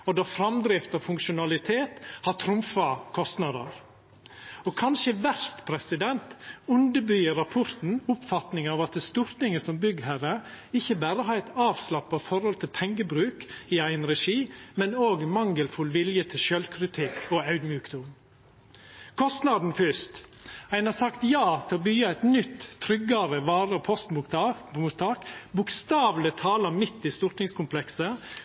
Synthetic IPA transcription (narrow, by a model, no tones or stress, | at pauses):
ɔd̪ɑfɾɑmd̪ɾɛft̪ɑʋfʉŋkʃʊnɑlɪt̪ʰeːt̪hɑt̪ʰɾʊmfɑkʰɔst̪nɑd̪ə̰ɾ | ɔkʰɑnʃəʋæɾst̪pʰɾɛsɪd̪ɛnt̪ʉnd̪əbyːəɾɑpʰʊɾt̪n̩ʊpfɑt̪nɪŋɑːʋɑt̪̚d̪ɛst̪uːɾt̪ɪŋəsɔmbʏɡhæɾəɪçːəbæːɾəɦɑːɾæɪt̪ɑːʋslɑpːɑfɔɾhɔlt̪ʰɪlpʰɛŋɡəbɾʉːkɪæɪənɾɛʂiːmɛnoːɡmɑŋːəlfʉlʋɪljət̪ʰɪlʃœlkʰɾɪt̪ʰɪkːʰɔɑʉd̪mjʉːkd̪ʊm | kʰɔst̪nɑd̪n̩fʏst̪æɪnhɑːɾsɑkt̪jɑːt̪ʰɪlɔbyɡɑæɪt̪nʏt̪ʰːɾʏɡːɑɾəʋɑːɾəɔpʰɔst̪mʊt̪ɑmʊt̪ʰɑːkbʊkst̪ɑːʋlɪt̪ʰɑːləɾmɪt̪ːɪst̪ʊɾt̪nɪŋskʰʊmpʰlɛksə